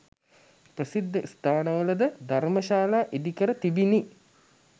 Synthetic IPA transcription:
prɐsid̪ʱːɐst̪ʰaːnɐʋɐlɐd̪ɐd̪ʱɐɾmɐʃaːlaːʔid̪ikɐɾɐt̪ibini

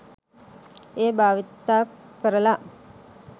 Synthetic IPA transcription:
eːbaːʋit̪ːaːkːəɾəla

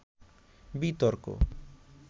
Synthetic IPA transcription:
bit̪ɔɾko̰

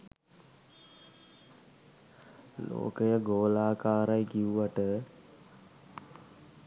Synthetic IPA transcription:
lo̰ːkəjəɡoːlaːkaːɾajɡiuʋaʈə

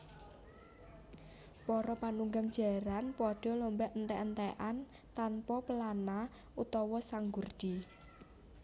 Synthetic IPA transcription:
pɔɾɔpanuŋɡaŋd̥d͡ʒ̥a̤ɾanpɔɖ̥ɔ̤lombɛʔnt̪ɛʔnt̪ɛʔan | t̪anpɔpəlana | ut̪ɔwɔsaŋɡurd̥i

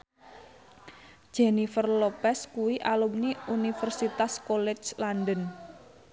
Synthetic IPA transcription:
d͡ʒ̥enifərlopɛskuwiʔalumniunifərsit̪askolɛt͡ʃlandən

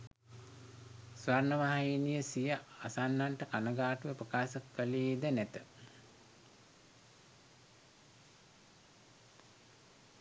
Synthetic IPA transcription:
sʋaɾnəʋaɦainijəsijəasanːaɳʈəkanəɡaːʈuʋəpɾəkaːsəkːəliːd̪ənæt̪ə

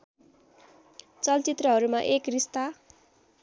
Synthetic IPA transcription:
t͡sʌlt͡sit̪rʌɦʌɾumaʔekrist̪a

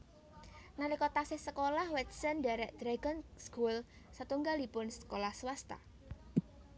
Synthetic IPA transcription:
naɾikɔt̪asɪhsəkolahwɛt̪səndaɾɛʔd̪̥ɾaɡənskul | sat̪uŋɡaldipʊnsə̥kolahswast̪a̰

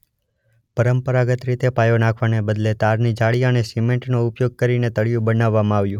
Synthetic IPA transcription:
pəɾəmpəɾaɡət̪ɾit̪epajonakʰʋanebəd̪let̪aɾnid͡ʒaɭiənesimeɳʈnoʊpjoɡ̚kəɾinet̪əɭijũbənaʋːamãaʋjũ

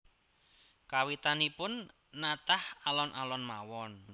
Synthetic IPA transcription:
kawit̪anipʊnː | at̪ahalɔnʔalɔnmawɔn

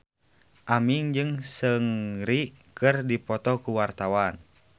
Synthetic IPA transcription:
ʔamiŋd͡ʒɨŋsəŋɾikɨrdipɔt̪ɔkuwart̪awan

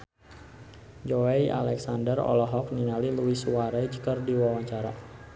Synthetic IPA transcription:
d͡ʒoejʔa̰lɛksandərɔ̰lɔɦɔk̚ninaliluwisuwaɾad͡ʒəkərdiwawaɲt͡ʃaɾa

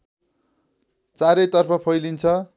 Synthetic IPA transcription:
t͡saɾʌjt̪ʌrpʰʌpʰʌjlint͡sʰʌ

